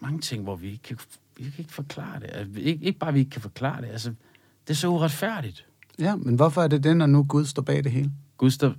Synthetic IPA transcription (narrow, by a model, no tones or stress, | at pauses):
mɑ̈ŋət͡sʰe̝ŋ̰ʋɒʋie̝ɡ̥̚kʰæ | ikʰæe̝ɡ̥ə̥fɒkʰlɑ̰̈ːɐd̥e̝ʔæsəieɡ̥e̝ɡ̥əb̥ɑ̈ːʋie̝ɡ̥kʰæfɒ̽kʰlɑ̰̈ːd̥e̝ælsə | d̥e̝æɐsɒ̽uʁɑ̈d̥fæɐ̰ɾ̥id̥ | jæmenʋɒfɒæɐd̥e̝denɒnuɡ̥uð̞ˠsd̥ɒ̰ːb̥ɛ̰ːd̥e̝ɦe̝ːləɡ̥uðˠsd̥ɒ̰̥